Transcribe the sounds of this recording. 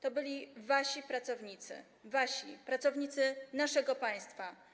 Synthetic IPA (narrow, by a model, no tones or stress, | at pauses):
t̪ɔbɘlʲivaɕipɾat̪sɔvɲit̪sɘ̰ | vaɕipɾat̪sɔvɲit̪sɘnaʂɛɡɔpaj̃st̪fa